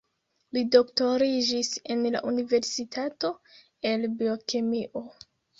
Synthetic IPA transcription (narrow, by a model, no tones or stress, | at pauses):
lido̞kto̞ɾid͡ʒise̞nla̰ʔunive̞ɾsitʰato̞ | e̞lbio̞kemiʔo